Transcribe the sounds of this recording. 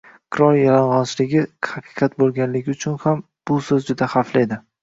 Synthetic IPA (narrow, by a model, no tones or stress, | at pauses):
qʰɨɾɒɾjalɒnʁɒnt͡ʃʰlɪɡʲɪhɑqʰɨ̥qʰɑt̪bolˠɡʲanlɪɡʲɪʊt͡ʃʰʊnham | b̥ʊsɵzd͡ʒʊd̪ahaflɪed̪ɪ